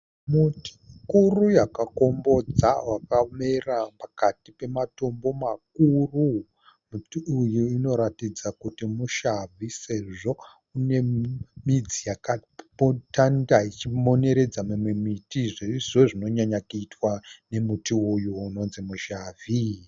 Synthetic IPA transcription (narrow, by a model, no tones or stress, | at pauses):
muti̥kurujakako̞mbo̞d͡zawakamerapakatipe̞mato̞mbo̞mak̚uru | mutiujuino̞ɾatid͡zakutimuʃavise̞ʐo̞ | une̞mid͡zijakapotandait͡ʃimo̞ne̞ɾe̞d͡zamimwe̞mitiʐeʐoʐino̞ɲaɲakuitwane̞mutiujuːno̞nzimuʃaːvʱi